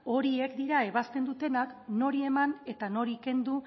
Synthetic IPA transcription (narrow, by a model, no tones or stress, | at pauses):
o̞ɾie̞kd̪iɾae̞β̞ast̪e̞nd̪ut̪e̞nakno̞ɾie̞mane̞t̪ano̞ɾike̞nd̪u